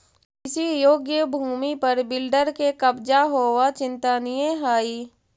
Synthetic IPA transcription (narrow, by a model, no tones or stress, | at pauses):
kɪsijoːɡjəbʱuːmipɐɾbɪlɖəɾkekɐbd͡ʒaɦoːʋat͡ʃɪ̃nt̪anijẽɦaːiː